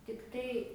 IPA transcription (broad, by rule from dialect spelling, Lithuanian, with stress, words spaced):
tʲɪkˈtɐɪ